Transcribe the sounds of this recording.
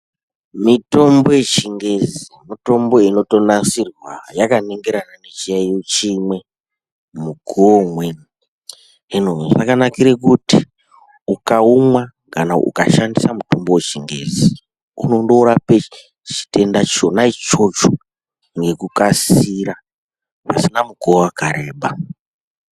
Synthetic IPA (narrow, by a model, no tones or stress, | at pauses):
mito̞mbo̞je̞t͡ʃiŋɡe̞zimito̞mbo̞ino̞to̞nasirwa̰jakane̞ŋɡe̞ɾananet͡ʃijaijot͡ʃimwe̞ | muɡʱomwen | enoʐa̰kanakiɾekuti | ukaumwa | kanaʔṵkaʃandisamutumbo̞wet͡ʃiŋɡḛzi | ṵno̞ndouɾape | t͡ʃi̥te̞ndat͡ʃo̞nait͡ʃo̞t͡ʃo | ŋɡe̞kukasiɾa | pa̰sinamuɡoakaɾe̞ːɓa